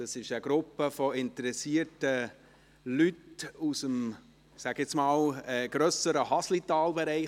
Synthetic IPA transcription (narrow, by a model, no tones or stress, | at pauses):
ɑsɪʃəɡ̥ɾʊpːəfɔɪntəɾɛsiəɾtə | lytusəm | sæɡɪsmɑːlɛːɡ̥ɾœsəɾəɦɑslitɑːlbɛɾɛɪ